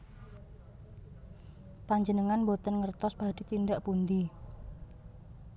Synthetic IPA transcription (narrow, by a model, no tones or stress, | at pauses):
paɲd͡ʒənəŋanbot̪ənŋərt̪ɔsbad̥it̪indaʔpund̪i